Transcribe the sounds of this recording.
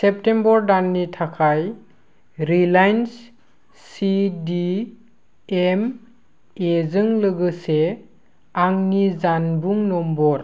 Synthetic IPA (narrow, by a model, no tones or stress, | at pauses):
sep̚tembɔɾdanːitʰakʰaj | ɾilajns | sidi | em | ezɯŋlɯɡɯse | aŋnizanbuŋnɔmbɔɾ